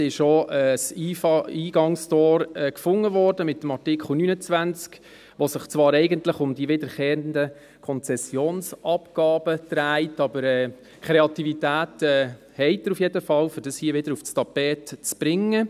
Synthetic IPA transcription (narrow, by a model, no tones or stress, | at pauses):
ɪʃoɛsiːiːɡ̥ɑŋstɔːɾɛːkfʊŋːəʋɔːɾdəmɪt̪ːəmɑrtɪkχl̩ˠnynət͡svʋænt͡sk | ʋosɪχt͡svɑːɾɛɪɡəntləχʊmdiəʋɪdəɾχɛːəndə | kʰɔnt͡sɛsːjoːnsʔɑpɡ̥ɑːb̥ət̪ɾæɪtɑbəɾɛː | kʰɾeɑtivitæːtɛː | hɛɪtːəɾufjedəfɑlfʏɾd̥ɑshiːəʋɪdəɾufstɑpɛːtt͡sb̥ɾɪŋːə